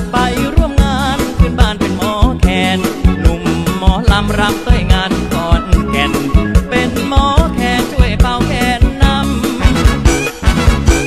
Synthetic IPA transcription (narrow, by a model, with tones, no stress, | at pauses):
pa˧jɾu˧˥˩əmŋaː˧˥npʰɯ˧˥˩nbaː˧˩˨npe˧nmɔː˨˦˥kʰɛː˧nːu˨˩mːɔː˨˦la˧˥mɾa˦˧˥m̚t̪u˧˩əjŋaː˧n˧kɔː˨˦n˨˧˩kʰɛ˧npe˧nmɔː˨˦kʰɛː˧nt͡ɕʰu˥˩əjpa˧wkʰɛː˧˥nːa˧˥m